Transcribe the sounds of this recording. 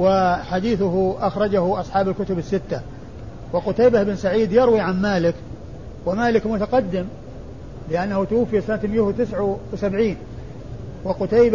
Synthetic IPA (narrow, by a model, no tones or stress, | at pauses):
wɪħad̪iːθʊɦʔaxɾˤɑd͡ʒahʊʔɑsˤħɑːbalkʊt̪ʊbɪsːɪt̪ːa | wɪqʊt̪ajbahʔɪbɪnsaʕiːd̪jɑɾwiʕanmaːlɪk | wɪmaːlɪkmʊt̪aqɑd̪ːɪm | lɪʔanːahʊt̪ʊwafːijasanat̪mɪjʊht̪ɪsʕawɪsabʕiːn | wɪqʊt̪ajb